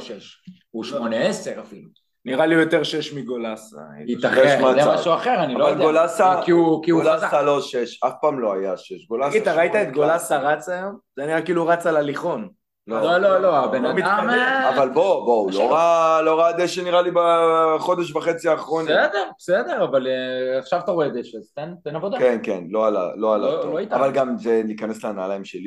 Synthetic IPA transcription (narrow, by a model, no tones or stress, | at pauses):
ʃeʃ | uʃmoneeseʁafilu | niʁalijo̞t̪eʁʃeʃmiɡolasit̪aeʃmat͡smaʃuaχeʁaniavalɡolasakiukiɡulasalo̞ʃeʃafpaːmlo̞ajaʃeʃɡolasit̪aʁaijt̪aet̪̚ɡolasaʁat͡sajomzeniʁakiːluʁat͡salaliχo̞n | lolololoabenmiamavalboboulloʁalo̞ʁad̪eʃeniʁalibaχo̞d̪eʃ̬vaχet͡siaːχʁoned̪eʁbesed̪eʁavaleaχʃavat̪aʁoed̪eʃeztent̪enabodkenkḛnlo̞ala̰lo̞alatoit̪avalɡamzeliːkanesleana̰ːlaimʃeli